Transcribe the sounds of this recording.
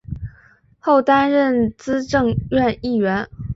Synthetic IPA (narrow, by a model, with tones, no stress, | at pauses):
xo˥˩ʊt̪a˥nɻə˥˩nt͡sɹ̩˥ʈ͡ʂɤ˥˧ŋɥɛ˥˧ni˥˩ɥɛ˧˥n